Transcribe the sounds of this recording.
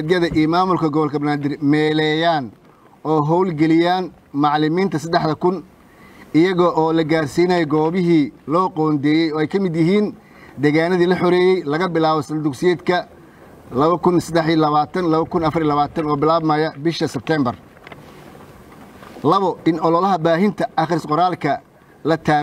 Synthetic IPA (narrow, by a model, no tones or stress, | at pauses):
ɛd̪jɐðɐʔijmaːmʊlkʰɐɡɔβɔlkʰɐbɐnaːd̪ɪrmɛːlɛjaːn | ɔːɦɔwlɡɛlɪjaːn | mɑʕlɪmiːnt̪ʰɐsɐd̪ɛħðɐkʰʊn | ɪjɐɣɔʔɔːlɐɡaːrsiːnajɛɡɔːβɪɦiːlɔːqɔːnd̪ɛːjɛjɔːɛjkʰɐmɪd̪jɪɦiːn | d̪ɛːɣaːnɐðiːlɐħɔɾɛːjɛjlɐɣɐbɪlaːβɔsɐnd̪ʊksɪɛːd̪kʰɐ | lɐβɐkʰʊnsɐd̪ɛħiɐlɐβaːt̪ʰɐnlɐβɐkʰʊnɐfɐrɾiːlɐβaːt̪ʰɐnɔːbɪlaːβmɐjɐbɪʃɐsɛb̚t̪ʰɛːmbɐr | lɐβɔɪnɔlɔlɐɦɐbaːɦɪnt̪ʰɐʔɐχɾɪsqɔɾaːlkʰɐ | lɐt̪ʰaː